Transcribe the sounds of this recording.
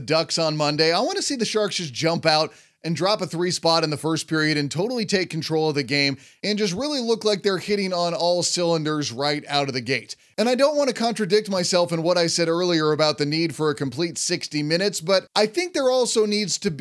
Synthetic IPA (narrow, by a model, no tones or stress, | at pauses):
dʌksn̩mʌ̃ndeɪaɪwɑ̃nɨsiðɨʃɑɹkʌsd̥ʒ̥ʌ̃mpaʊɾ | ɨ̃ndɹɑpəθɹispɑɾɨ̃nðɨfɜ˞spʰɪɹiɨɾɨ̃ntʰoʊɾl̩ˠitʰeɪkʰːn̩tʰɹ̥oʊlˠʌvðɨɡẽɪ̃m | ɨ̃nd͡ʒʌs̬t̚ɹɪlˠilʊklaɪk̚ðə˞hɪɾɪ̃ŋə̃nɔlˠsɪlˠə̃ndə˞zɹaɪɾaʊɾʌvðɨɡeɪɾ | ɨ̃ñaɪdõʊ̃nʔ̚wɑ̃nɨkʰɑ̃ntɹ̥ɨdɪk̚t̚maɪsɛlˠfɨ̃nwʌɾaɪsɛɾɜ˞lˠiə˞ɨbaʊt̪̚ðɨnid̥fə˞ɨkʰɨ̃m̩pʰl̥itsɪkstimɪ̃ñɨtsb̥ʌɾʔaɪθɪ̃ŋk̚ðə˞ɔlˠsoʊnidz̥tʰɨb